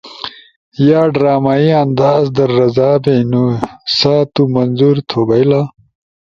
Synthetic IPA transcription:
jaːɖɾaːmaiɐnd̪aːzd̪ɐɾːɐzaːbenusat̪umɐnzuɾt̪ʰoːbɐjla

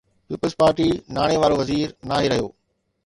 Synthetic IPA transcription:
piːpəlzpaːɾʈinaːɽ̃eʋaːɾoʋɐziːɾnaːɦiɾɐɦijo̰ː

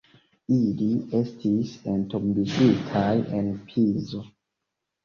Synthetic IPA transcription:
ilie̞stʰisentombiʃitʰajḛnpʰizo

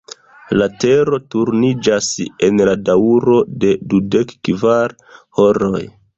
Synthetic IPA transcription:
late̞ɾo̞tuɾnid͡ʒase̞nladauɾo̞de̞dude̞kːvaɾ | ho̞ɾo̞j

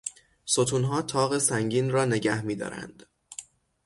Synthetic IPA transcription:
sot̪ʰuːnɦɒːt̪ʰɒːɣe̞sæŋɟiːnrɒːne̞ɟæhmiːd̪ɒ̰ːɾæ̰nd̪̥

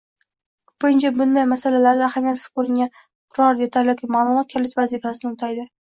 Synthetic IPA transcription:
kʰʊ̥pɪnt͡ʃʰabʊnd̪ajmasalalaɾd̪aːhamʲjat̪sɪ̥z̥kʰɵɾɪŋʲan | qʰʊɾɒɾjet̪ʰaɾjɒkʰʲimaːlˠʊmɒt̪̚kʲʰɪlɪkʲvazifasɪnɪʊt̪ʰajd̪ɪ

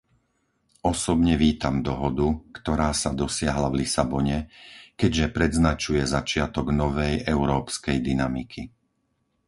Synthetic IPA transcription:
ɔsɔbɲɛʋiːt̪amd̪ɔɦɔd̪ukt̪ɔɾaːsad̪ɔsɪaɦlavlisabɔɲɛkɛɟʒɛpɾɛd̪znat͡ʃujɛzat͡ʃɪat̪ɔɡnɔʋɛjɛʊɾɔːpskɛjd̪inamikʰi

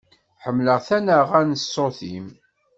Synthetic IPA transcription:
ħəmːləʁθænəʁænsoθim

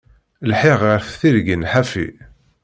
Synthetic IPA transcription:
lħɪʁəɾθθiɾɡənħafḭ

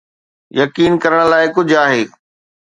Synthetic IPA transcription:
jɐkiːnkɐɾəɽ̃laːɪkʊd͡ʑʱaːɦeː

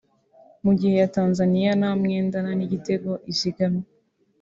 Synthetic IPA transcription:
muɟihe̞jataːnzanijanamŋeːndananiɟite̞ɡo̞ʔiziɡame

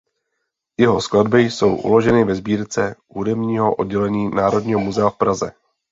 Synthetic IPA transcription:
jɛɦo̞skladbɪjso̞̰wʔṵlo̞ʒɛnɪvɛzbiːɾt͡sɛ | udɛmɲiːɦo̞ʔo̞̰d̚ɟɛlɛɲiːnaːɾo̞dɲiːɦomuzɛafpɾazɛ̰

